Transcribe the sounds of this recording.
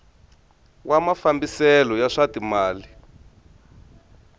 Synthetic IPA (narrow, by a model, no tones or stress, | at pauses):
wʔamafambisɛlɔjaʂatimaːli